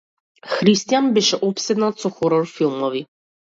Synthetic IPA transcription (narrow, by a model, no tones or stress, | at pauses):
xɾist̪ijanbɛʃɛʔɔpsɛd̪nat̪sɔxɔɾɔɾfilˠmɔvi